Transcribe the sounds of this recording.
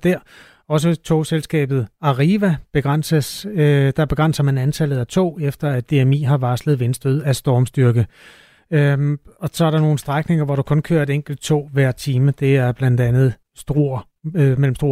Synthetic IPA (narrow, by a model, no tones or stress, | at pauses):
d̥æɐ̰ | ɒ̽s̬ət͡sʰo̝̰ːselsɡ̥ɛ̰ːb̥ð̞̩ˠɑ̈ʁiʋæb̥e̝ɡ̥ʁɑn̰səsd̥ɑ̈b̥e̝ɡ̥ʁɑ̈nsɐmænænt͡sʰælð̩ˠæt͡sʰo̝̰ːefd̥ɐæd̥ːe̝emḭːɦɑ̈ʋɑ̈sləð̞̩ˠʋensd̥øð̰ˠæsd̥ɒːmsd̥yɐɡ̥ə | ɒ̽sɒ̽æɐɾɑno̝ːn̩sd̥ʁaɡ̥ne̝ŋɐʋɒɾ̥ukʰɔ̽nkʰø̰ːɐe̝d̥eŋ̰ɡ̥l̩d̥̚t͡sʰo̝̰ːʋæɐ̰t͡sʰiːməd̥e̝æɐb̥lænd̥ænð̞̩ˠ | sd̥ʁo̝ | mel̰m̩sd̥ʁo̝̰